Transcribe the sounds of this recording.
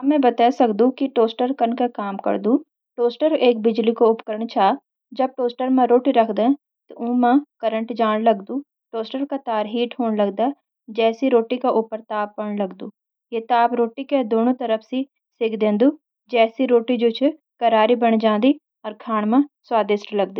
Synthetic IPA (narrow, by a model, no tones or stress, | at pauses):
ɐmːɛ̃bɐt̪aːsɐkd̪ũkiʈoːsʈəɾkɐnkakaːmkɐ̰ɾd̪u | ʈoːsʈəɾeːk̚bɪd͡ʒlikoʊpkəɾəɳ̃t͡ʃʰaː | d͡ʒɐb̚ʈoːsʈəɾmãɾoːʈiɾɐkʰd̪ẽ | t̪oʔũːmãkɐɾə̃ɳʈd͡ʒaːɽ̃lɐɡd̪ũː | ʈoːsʈəɾkat̪aːɾɦiːʈɦoːɽlɐɡd̪a | d͡ʒɛːsiɾoːʈikaʔʊpəɾt̪aːp̚pəɽ̃lɐɡd̪uː | jet̪aːpɾoːʈiked̪oːnõt̪əɾəfʰsi | sɪkʰd̪ẽːnd̪uː | d͡ʒɛːsiɾoːʈid͡ʒoːt͡ʃʰ | kɐɾaːɾibəɽ̃d͡ʒãːnd̪iː | ɔːɾkʰaːɽ̃mãswaːd̪ɪsʈlɐɡd̪iː